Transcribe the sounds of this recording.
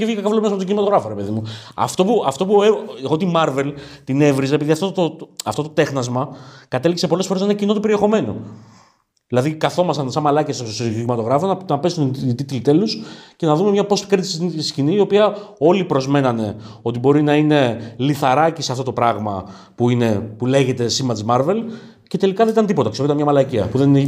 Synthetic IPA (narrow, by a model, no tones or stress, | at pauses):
evʝikɐkɐvlomest̪oimɐt̪oɣɾɐfoɾepe̞ðimuɐ̰ft̪o̞puɐft̪o̞pueeɣo̞t̪imɐɾve̞lt̪ine̞vɾizeepiðiɐft̪ot̪oɐft̪o̞t̪ot̪e̞xnɐzmɐkɐt̪e̞likse̞po̞le̞sfo̞ɾeninɐcino̞t̪upeɾie̞xo̞me̞no̞̰ | ðilɐðikɐθo̞mɐsɐnsɐmɐlɐcɐssoiimɐt̪o̞ɣɾɐfonɐnɐpe̞sunt̪it̪ilt̪e̞lusce̞nɐðume̞mɲɐpo̞spi̥kɾt̪i̥ssciniːo̞piɐo̞lipɾo̞zme̞nɐne̞o̞t̪̬ibo̞ɾinɐine̞liθɐɾɐciseɐft̪o̞t̪o̞pɾɐɣmɐ̰ | puine̞pule̞ʝe̞t̪e̞simɐt̪smɐɾve̞l | ce̞t̪e̞likɐðenit̪nd̪ipot̪ɐkseɾɐmɲɐmɐlɐciɐ̰puðenne